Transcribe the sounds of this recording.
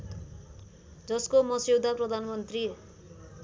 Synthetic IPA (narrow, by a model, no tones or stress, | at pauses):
d͡zʌskomʌsewd̪ʱaprʌd̪ʱanmʌnt̪ri